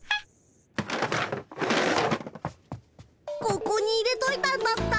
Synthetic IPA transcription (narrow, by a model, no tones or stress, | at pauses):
kokoɲ̟iːɾe̞t̪o̞it̪amasɨ̥t̪a